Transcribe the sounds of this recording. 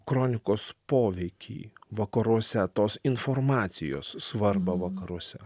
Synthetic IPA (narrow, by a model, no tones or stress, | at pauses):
kɾoːnʲɪkoːspoːʋʲɛɪkʲʰḭːʋɐkɐɾuɔsʲɛt̪oːsɪnfoːɾmɑːt̪sʲɪjo̰ːsːʋɐɾbɐʋɐkɐɾuɔsʲɛ